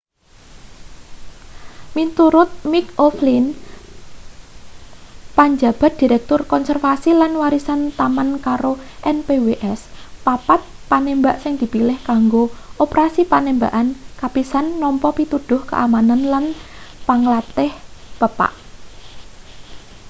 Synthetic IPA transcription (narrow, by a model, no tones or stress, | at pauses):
mint̪uɾʊt̪̚mikoflin | paɲd͡ʒab̥a̤t̪̚d̪̥i̤ɾɛk̚t̪ʊrkɔnsɛrfasilanwaɾisant̪amankaɾoʔɛnpeweʔɛspapat̪̚panembaʔsɪŋd̪̥i̤pilɪhkaŋɡoʔopɾasipanemba̰ʔankapisanːɔmpɔpit̪ud̪̥ʊhkə̰ʔamananlan | paŋlat̪ɪhpəpa̰ʔ